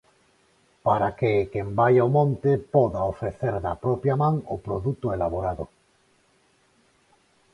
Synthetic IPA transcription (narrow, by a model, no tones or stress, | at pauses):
paɾakekembajaomõnt̪ɪpɔðaofɾeθeɾðɐpɾɔpjamãŋʊpɾoðut̪ʊelaβoɾaðʊ̰